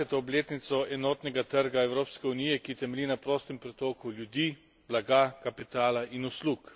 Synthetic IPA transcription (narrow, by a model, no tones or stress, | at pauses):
ɛt̪ɔːbleːt̪nit̪sɔʔɛnɔːt̪nɛɡat̪əɾɡaɛwɾoːpskɛuniːjɛkit̪ɛmɛlinapɾoːst̪ɛmpɾɛt̪oːkuljud̪i | blaɡakapit̪aːlaʔinusluːk